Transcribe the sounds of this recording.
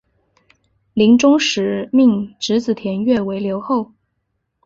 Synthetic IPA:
li˧˥ŋʈ͡ʂʊ˥ŋʂɻ̩˧˥mi˥˧ŋʈ͡ʂɻ̩˧˥t͡sɹ̩˨˩t̪ʰjɛ˧˥nɥɛ˥˩we˧˥ɪljo˧˥ʊxo˥˩ʊ

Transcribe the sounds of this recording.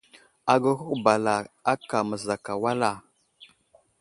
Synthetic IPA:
a˨ɡə˦hu˦kba˨la˨a˦ka˨mə˨za˨ka˨wa˦la˨

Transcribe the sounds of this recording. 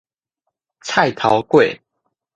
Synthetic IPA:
t͡sʰa˥˨ɪt̪ʰɑ˨˦ʊkwe˥˨ɪ

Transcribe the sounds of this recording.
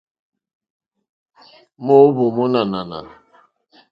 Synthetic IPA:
mo˦bo˨mo˦na˨na˨na̰˨

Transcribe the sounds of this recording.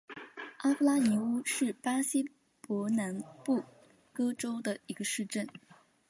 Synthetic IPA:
a˥fu˥la˥ni˧˥u˥ʂɻ̩˥˩pa˥ɕi˥ | pwɔ˧˥na˧˥npu˥˩ | kɤ˥ʈ͡ʂo˥ʊd̪ə˨i˧˥ɡə˧ʂɻ̩˥˧ʈ͡ʂə˥˩n

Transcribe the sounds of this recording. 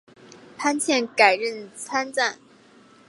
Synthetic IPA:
pʰa˥nt͡ɕʰjɛ˥˩nka˨˩ɪɻə˥˩nt͡sʰa˥nt͡sa˥˩n

